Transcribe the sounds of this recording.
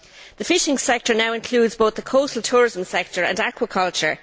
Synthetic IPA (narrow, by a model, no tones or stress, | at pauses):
ðəfɪʃɪ̃ŋsɛk̚tə˞naʊɪ̃nkʰl̥uːdzboʊθðəkʰoʊsəltʰuːɹɪzə̃msɛk̚tʰəɹə̰̃nakʰwəkʰʌlt͡ʃə˞